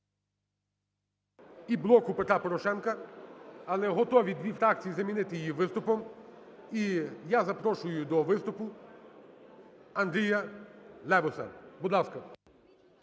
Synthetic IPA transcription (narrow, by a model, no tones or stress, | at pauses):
iblˠɔkʊpet̪ɾapɔɾɔʃɛnkɐ | ɐlˠɛɦɔt̪ɔʋʲid̪ʲʋʲifɾɑk̚t͡sʲijizɐmʲinɪt̪ɪjijiʋɪst̪ʊpɔm | ijazɐpɾɔʃʊjʊd̪ɔʋɪst̪ʊpʊ | ɐnd̪ɾʲijɐlˠɛʋʊsɐ̰bud̪lˠɑskɐ